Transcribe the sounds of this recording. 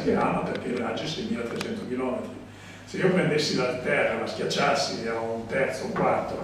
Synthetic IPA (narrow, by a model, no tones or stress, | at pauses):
keamaperkelad͡ʒːisɛjmilːat̪ɾet͡ʃɛnt̪okilɔːmet̪ɾi | seiːopɾend̪esːilalt̪ɛrːalaskʲjat͡ʃːasiaunt̪ɛrt̪souŋkwart̪o